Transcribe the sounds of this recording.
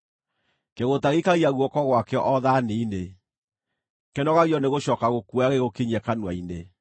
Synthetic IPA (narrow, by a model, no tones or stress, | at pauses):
keɣotaɣikaɣiaɣwɔkɔɣwakɛɔʔɔðaneine | kenɔɣaɣjɔneɣoʃɔːkaɣokwaɣeɣokiɲɛkanwaine